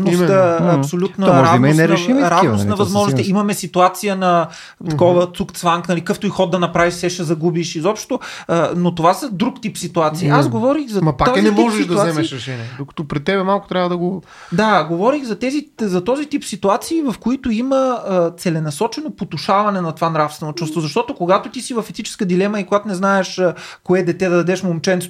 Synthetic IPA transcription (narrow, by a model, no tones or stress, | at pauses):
noəɐpssolʲut̪nəɾʒamɛnɛɾɛʃimɾavnosnɐvɐzmɔʒnost̪ɛimɐmɛsit̪uat̪sijənɐ | t̪ɐkɔvət̪sukt̪svaŋknɐlikaft̪oixɔt̪d̪ɐnɐpɾaviʃsɛʃɛzɐɡubiʃizɔpʃt̪t̪oənot̪ovasɐd̪ɾukt̪ipsit̪uat̪siːazɡovɔɾixzɐmɐpak̪zinɛɔʒɛiʃtd̪ɐuzazɛmɛiʃɾɛʃɛniɛd̪okɐ̥t̪ɔpɾɛt̪ːɛbɛmalˠkʊ̥t̪ɾʲavəd̪ɐɡo | d̪aɡovɔɾiɣzɐt̪ɛzizɐt̪ɔzit̪ipsit̪uat̪siːvɐfkoit̪oiməət̪sɛlɛnɐsɔt͡ʃɛnopot̪ʊʃavɐnɛnɐt̪ovanɾafsvɛnot͡ʃust̪vozɐʃt̪ɔt̪okoɡat̪ʊt̪isivɐfɛt̪it͡ʃɛ̥skəd̪ilɛmɐikoɡat̪onɛznaɛʃəkoɛd̪ɛt̪ɛd̪ɐd̪ɐd̪ɛʃmomt͡ʃɛnt̪s